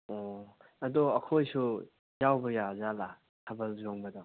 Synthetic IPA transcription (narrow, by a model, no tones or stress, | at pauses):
ɔɐd̪ɔɐkʰojsu | jawbɐjazala | hʰɐbɐlzoŋbɐd̪ɔ